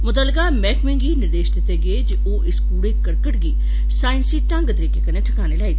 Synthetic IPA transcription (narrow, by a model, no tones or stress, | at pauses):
mʊt̪əːlɪkamɛːkmɪ̃ŋɡinɪɾd̪eːʃt̪ɪt̪ʰeɡeːd͡ʒ | oːʔɪskuːɽekəɾkəʈɡiː | saːɪnsiʈɐ̃ŋɡt̪əɾiːkekɐneʈʰɐkaːnelaːit̪ʰː